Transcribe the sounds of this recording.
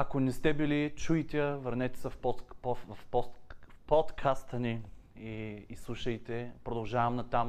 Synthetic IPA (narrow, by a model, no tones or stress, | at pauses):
ɐkonɛst̪ɛbilit͡ʃuit̪ɛəvɐɾnɛt̪ɛ̥səfpɔt̪pɔvfpɔpɔt̪kʰast̪əni | iːslˠuʃəjt̪ɛpɾod̪ɐlˠʒavɐmnɐt̪am